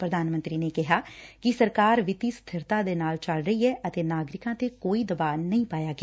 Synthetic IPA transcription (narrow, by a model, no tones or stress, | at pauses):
pɾəd̪ʱaːnmənt̪ɾiːneːkɪɦaːkɪsəɾkaːɾʋɪt̪iːst̪ʰɪɾt̪ãːd̪eːnaːlt͡ʃəlɾəiːɦɛːʔət̪eːnaːɡɾɪkãːt̪eːkoːiːd̪əbaːnəĩːpaːjaːɡeː